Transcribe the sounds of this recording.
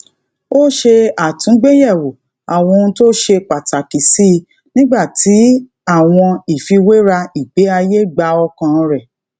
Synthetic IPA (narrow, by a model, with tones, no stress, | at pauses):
o˦ʃe˧a˨tũ˨˦ɡ͡be˦jɛ˦˨wo˨ | a˨w̃ɔ̃˧ũ˧˦to˦ʃe˧k͡pa˨ta˨ki˨si˦˧ | nĩ˦ɡ͡ba˦˨ti˨˦ | a˦˨w̃ɔ̃˧i˨fi˧we˦ɾa˧i˨ɡ͡be˨˦a˧je˦ɡ͡ba˧˦ɔ˧kã˧ɾɛ˦˨